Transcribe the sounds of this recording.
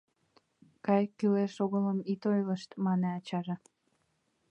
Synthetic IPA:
kɑjkyleʃoɣələmit̪ojləʃt̪mɑneɑt͡ɕɑʒə

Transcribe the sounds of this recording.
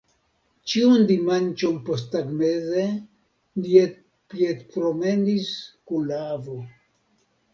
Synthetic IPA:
t͡ʃiundimant͡ʃo̞npos̬taɡmeze | liet | pietpɾo̞me̞niskunlaavo

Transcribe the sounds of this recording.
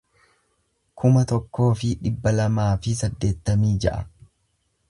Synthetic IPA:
kʰʊmɐt̪ɔkːo̞ːfɪᶑɪbːɐlɐmaːfɪsɐd̪ːe̞ːt̪ːɐmiːd͡ʒɐ̰ʔɐ

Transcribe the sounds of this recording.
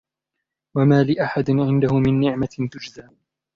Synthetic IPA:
wamaːlɪʔaħad̪ɪnʕɪnd̪ahʊmɪnːɪʕmat̪ʊd͡ʒzaː

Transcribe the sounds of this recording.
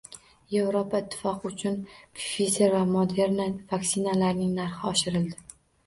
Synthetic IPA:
jevɾopʰaɪt̪ʰːɪ̥fɒqʊt͡ʃʰʊnpʰfizeɾvamod̪e̞ɾnavaksɪnalaɾnɪŋnaɾχɪɒʃɪɾɪld̪ɪ

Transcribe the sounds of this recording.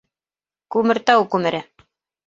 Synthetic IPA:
kʉmɘ̆ɾt̪æwkʉmɘ̆ɾɘ

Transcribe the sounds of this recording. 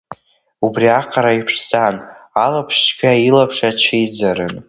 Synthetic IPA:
ubriaqʰaɾaipʰʂd͡zanalapʰʂt͡ʃɡʲʰailapʰʂat͡ʃʰijd͡zaɾɨn

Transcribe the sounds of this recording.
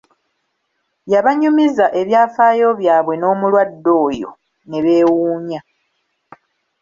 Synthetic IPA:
jaβaɲumizaʔe̞βjaːfaːjo̞βjaːβwe̞no̞ːmulwadːo̞ːjo̞̰ | ne̞βe̞ːwuːɲa

